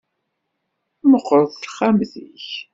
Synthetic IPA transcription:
məqːəɾθəɾχamθiç

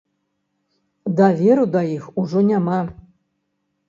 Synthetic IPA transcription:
d̪avʲeɾud̪ajixuʐɔnʲama

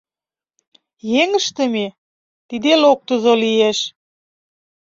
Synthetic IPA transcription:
jeŋəʃt̪ə̆me | t̪id̪elok̚t̪əzolieʃ

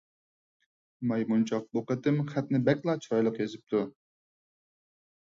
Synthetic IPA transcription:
mɑjmunt͡ʃʰɑq̚boqət̪ɪmχæt̪nɪbɛkʲlˠɑt͡ʃʰɑjlˠəqjezɪp̚t̪ʰu

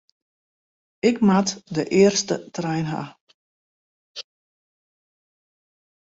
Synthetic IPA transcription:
ɪkmatdəʔɪərstətrɛjnɦa̰

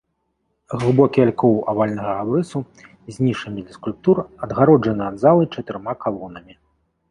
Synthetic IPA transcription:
ɣlˠɨbɔkʲialʲkɔwavalʲnɐɣɐabɾɨsu | zʲnʲiʂɐmʲid̪lʲɐskulʲp̚t̪urɐd̪ɣaɾɔd͡ʐʐɐnɨɐd̪zalˠɨt͡ʂɐt̪ɨɾmakalˠɔnɐmʲi

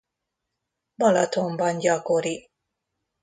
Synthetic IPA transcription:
bɒlɒt̪ʰombɒnɟɒkoɾi

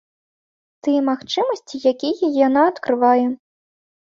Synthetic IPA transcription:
t̪ɨjɛmaxt͡ʂɨmɐsʲt͡sʲijakʲijɛjanaɐːt̪kɾɨvajɛ

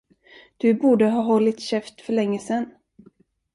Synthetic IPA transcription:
d̪̥ɵbuːɖəɦɑːɦɔlːɪt̪ɕɛft̪fœɭɛŋːəsɛnː

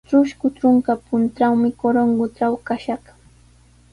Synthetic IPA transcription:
ʈ͡ʂʊʃkʊt͡ʃʊŋkapʊnt̪awmɪkoɾoŋɡʊʈ͡ʂawkaʃɑχ

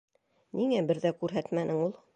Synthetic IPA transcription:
niŋæbɘ̆ɾðækʉɾɦæt̪mænʔɘŋulˠ

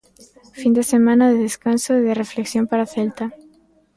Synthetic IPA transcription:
find̪e̞semãnaðeðeskansoðerefleksjo̞mpaɾaθelt̪a

